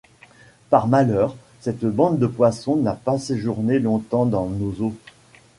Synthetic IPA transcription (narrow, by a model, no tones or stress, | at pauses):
paʁmalœʁ | sɛt̪bɑ̃d̪d̪əpwasɔ̃napaseʒuʁnelɔ̃t̪ɑ̃d̪ɑ̃nozo